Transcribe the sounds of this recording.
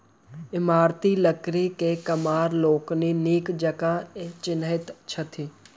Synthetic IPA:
ɪmaːɾt̪iləkɾikekɐmaːɾloːkniniːkd͡ʒɐkãːt͡ʃɪnɪt̪t͡ʃʰɐt̪ʰiː

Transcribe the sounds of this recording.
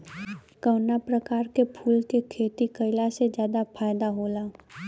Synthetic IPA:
kəːnapɾəkaːɾkepʰuːlkekʰeːt̪ikəɪlased͡ʒjaːd̪apʰaːjd̪aɦoːlaː

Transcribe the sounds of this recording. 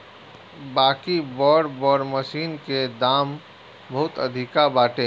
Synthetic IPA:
baːkibɔːɽbɔːɾmɐʃiːnked̪aːm | bɐɦʊt̪ɐd̪ʱɪkabaːʈẽ

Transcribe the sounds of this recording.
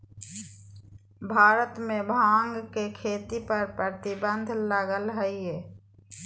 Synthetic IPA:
bʱaːɾət̪mẽbʱãːŋɡkekʰeːt̪ipəɾpɾət̪ɪbə̃nd̪ʱlaːɡəlɦəie

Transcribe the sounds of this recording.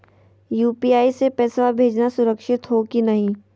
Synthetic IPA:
juːpiaːisepɛːsʋabʱeːd͡ʒnasʊɾəkʃɪt̪ɦokinɐɦĩː

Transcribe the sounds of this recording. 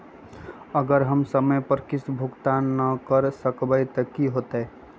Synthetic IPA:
əɡəɾɦəmsəməjpəɾkɪsbʱʊɡt̪annəkəɾsəkbəjt̪əkiɦoːt̪ɦɛ

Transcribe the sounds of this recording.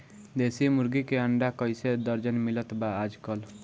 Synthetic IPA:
d̪esimʊɾɡikeəɳɖakəjsed̪əɾd͡ʒənmɪlət̪baːd͡ʒkəl

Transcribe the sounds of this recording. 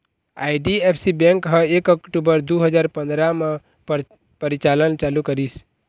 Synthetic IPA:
aiɖiepʰsibɛ̃ŋkɦə̃ekɔkʈubəɾd̪uɦəd͡ʒaːɾpə̃nd̪ɾame | pəɾit͡ʃalənt͡ʃalukəɾis

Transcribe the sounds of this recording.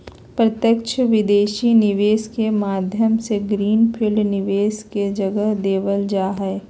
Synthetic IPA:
pɾɐt̪jəkʃʰəʋɪd̪eːʃinɪʋeːskemaːd̪ʱjəmseɡɾiːnpʰɪlnɪʋeːsked͡ʒɐɡəɦd̪eːʋəld͡ʒaːɦɛː

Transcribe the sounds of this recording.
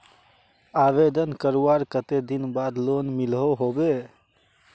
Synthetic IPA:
abed̪ənkəɾuaɾkət̪ed̪inbad̪lonmilɦoɦobe

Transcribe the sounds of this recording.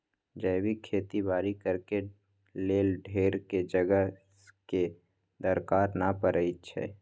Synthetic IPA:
d͡ʒəjbikʰeːt̪ibaːɾikəɾke | leːlɖʱeːɾked͡ʒəɡəɦ | ke | d̪əɾkaːɾnapəɾʔəit͡ʃʰɛ̰ː

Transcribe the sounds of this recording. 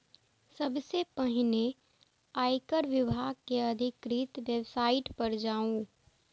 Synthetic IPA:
sɐbsepəɦɪne | aːikəɾʋɪbʱaːɡkeɐd̪ʱɪkɾiːt̪ʋebsaːɪʈpɐɾd͡ʒaːũ

